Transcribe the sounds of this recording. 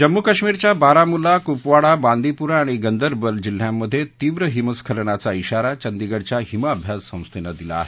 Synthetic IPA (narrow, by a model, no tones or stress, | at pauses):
d͡ʑəmːukəɕmiɾt͡ɕjabaɾamulakupʋaɽaband̪ʱipuɾaːɽ̃iɡənd̪əɾbəld͡ʑil̤jamːəd̪ʱːjet̪iːʋɾəɦiməskʰəlɳat͡saiɕaɾat͡ɕənd̪iɡəɽt͡ɕjaɦimaəbʱjasːə̃w̃st̪ʰenad̪ila̰ːɦe